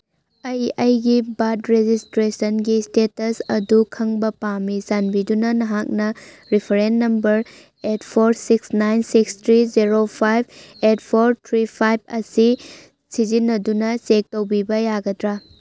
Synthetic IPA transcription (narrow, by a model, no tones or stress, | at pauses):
ɐjɐjɡibadɾed͡ʒistɾesɐnɡistetɐsɐdukʰɐŋbɐpamisanbidunɐnɐɦak̚nɐ | ɾipʰeɾenːɐmbɐɾ | et̚pʰoɾsiksnajnsikstʰɾiziɾopʰajb̚et̚pʰoɾtʰɾipʰajb̚ɐsi | sizinːɐdunɐsek̚tɐwbibɐjaɡɐdɾa